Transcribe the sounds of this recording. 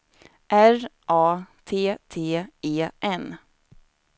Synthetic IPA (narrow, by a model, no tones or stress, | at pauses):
ʔæɾʔɑːt̪ʰeːt̪ʰeːeːʔɛn